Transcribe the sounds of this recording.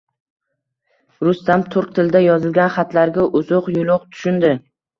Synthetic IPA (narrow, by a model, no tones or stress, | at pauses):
ɾʊst̪amt̪ʰʊɾq̚t̪ʰɪld̪ajɒzɪlɡʲanχat̪laɾɡʲaʔʊzoqjʊlˠʊqt̪ʰʊ̥ʃʊnd̪ɪ